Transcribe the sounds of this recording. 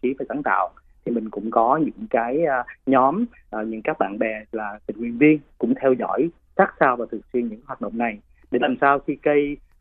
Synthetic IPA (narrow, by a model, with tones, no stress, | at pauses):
t͡ɕi˨˦vaː˨˩jsaː˨˦ŋt̪a̰ː˧˨wt̪ʰi˨˩mï˨˩ŋ̟kʊ̰˧˥ŋ͡mkɔ˨˦ɲɨ̰˧˥ŋkaː˨˦jɲɔ˨˦m | ʔə˨˩ɲɨ̰˧˥ŋkaː˦˥k̚ɓa̰ː˧˨nɓɛ˨˩laː˨˩t̪i̟˨˩hwḭ˨ənvi˧ənkʊ̰˧˥ŋ͡mt̪ʰɛ˧wzɔ̰˧˥˨j | saː˦˥k̚saː˧wvaː˨˩t̪ʰɨ˨˩ək̚swi˧ənɲɨ̰˧˥ŋhwaː˨˩t̚ɗə̰˧˨ŋ͡mna˨˩j | ɗe˧˩laː˨˩msaː˧wxi˧kə˧j